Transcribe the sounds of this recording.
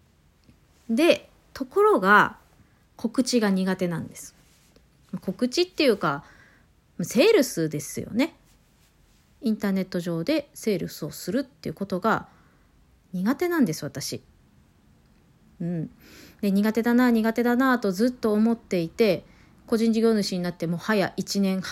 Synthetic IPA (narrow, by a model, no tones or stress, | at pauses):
d̪e̞ | t̪o̞ko̞ɾo̞ɡa | ko̞kɯ̟t͡ɕiɡaɲ̟iɡat̪e̞nãnd̪e̞sɨ̥ | mako̞kɯ̟t͡ɕit̪ːe̞jɯ̟ːka | mase̞ːɾɯ̟sɨd̪e̞sɨjo̞̰ne̞ | ĩnt̪aːne̞t̪ːo̞ʑo̞ːd̪e̞se̞ːɾɯ̟sɨo̞sɨɾɯ̟t̪ːḛiɯ̟ko̞t̪o̞ɡa | ɲ̟iɡat̪e̞nãnd̪e̞sɨβat̪aɕi | ɯ̟̃ɴ | d̪e̞ɲ̟iɡat̪e̞d̪anaɲ̟iɡat̪e̞d̪anat̪o̞zɨt̪ːo̞ːmo̞t̪ːe̞it̪e̞ | ko̞ʑĩɲ̟d͡ʑiɡʲo̞ːnɯ̟ɕiɲ̟inat̪ːe̞mo̞ːhajaʔit͡ɕinẽ̞ɰ̃h